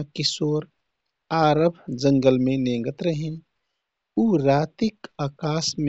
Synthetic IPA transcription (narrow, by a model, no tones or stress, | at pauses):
kɪsoːɾ | aːɾəbʱd͡ʒə̃ŋɡəlmẽnẽːŋɡət̪ɾəɦin | uːɾaːt̪ikaːkaːsm